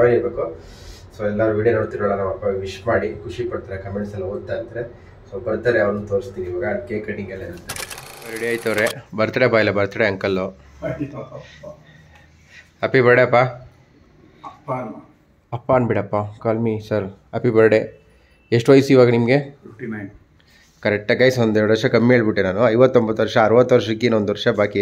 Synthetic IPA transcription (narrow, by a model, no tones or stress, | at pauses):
aeiɾbeːku | soːɛlːaːɾuʋiːɽijonoːɽt̪iɾɔɭːanaːʋɐpːaʋiʂmaːɽikʰuʂipɐɽt̪aɾekɐmeɳʈsɐlːɦoːd̪̚t̪ːaɐnd̪ɐɾe | soːbɐɾt̪aːɾeɐʋɐɾnuːt̪oːɾist̪iniːʋaːɡɐkeːkɾeʈiŋɡɐlːɐiɾɐt̪ːesɐɾiɽijoaːjt̪ɐʋɾebɐɾt̪aːɽeɐpːailːɐbɐɾt̪aɽeɐŋkɐlːo | ɐpibɐɾɽeɐpːa | pː | ɐpːaːnbiɽɐpːakaːlmisɐɾɐpibɐɾɐɽe | eʂʈʋɐjsuiʋaːɡɐnimɡeʈnn | kɐɾɛk̚ʈɐkːaːjsond̪eɛɾuɽuʋɐɾʂɐkɐmːiɦeːɭbiʈːenaːnuɐjʋɐt̪ːombɐt̪ːʋɐɾʂɐːɾuʋɐt̪ːʋɐɾʃɐikːiːnond̪uʋɐɾʂɐbaːki